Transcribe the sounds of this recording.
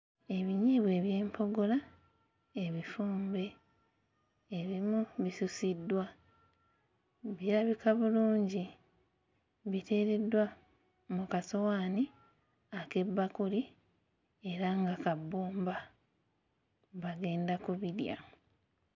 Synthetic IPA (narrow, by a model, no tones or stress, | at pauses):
e̞βiɲiːβwe̞ːβje̞ːmpʰo̞ɡola | e̞βifuːmbe̞ | βimuβisusidːwa | βiɾaβikaβuluːɲɟi | βite̞ːɾe̞dwa | mukasowaːni | ake̞bːakuli | e̞ɾaŋɡakabːuːmba | βaɡe̞ːndakuβiɾja̰